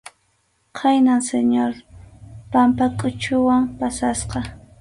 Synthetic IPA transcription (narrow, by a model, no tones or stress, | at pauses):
qʰajnaŋseɲoɾ | pampakʼʊt͡ʃʊwampasasqɑ